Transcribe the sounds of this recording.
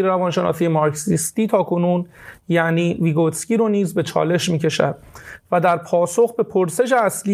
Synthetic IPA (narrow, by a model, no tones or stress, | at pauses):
ɾeɾævɒːnʃe̞nɒ̰ːsiːjemɒɾcsist̪iːt̪ʰɒːkʰo̞nuːnjæʔniːviɡot̪sciːɾoniːzbe̞t͡ʃʰɒ̰ːle̞ʃmiːce̞ʃæ̰d̪væd̪æɾpʰɒːso̞xbe̞pʰoɾse̞ʃ̬e̞æsli